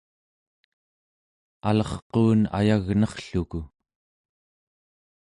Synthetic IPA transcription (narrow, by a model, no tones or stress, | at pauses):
alʌχqoːna̰jaɣnʌχɬuku